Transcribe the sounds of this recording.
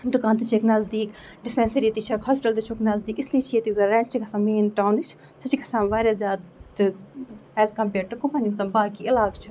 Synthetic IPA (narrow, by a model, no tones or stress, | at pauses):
d̪ukãːnt̪ɨt͡ʃʰeknɐzd̪iːk | ɖɪspʲɛ̃nsɐɾiːt̪it͡ʃʰɐkhɔːspɪʈɐlt̪ɨt͡ʃʰoknɐzd̪iːkisliːt͡ʃʰiet̪izɐɾɛ̃ːɳt͡ʃʰikʰɐsãːmeːnʈaːwnɨt͡ʃʰ | sʰɐt͡ʃikʰɐsãːnʋaːɾʲazʲaːd̪t̪ɨɛːzkɐ̃mpeːʈʈːɨkompɐnimsɐmbaːkiɪlaːkt͡ʃʰi